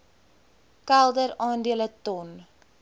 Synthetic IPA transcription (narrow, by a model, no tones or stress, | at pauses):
kælˠdəɾɑːndiələtɔn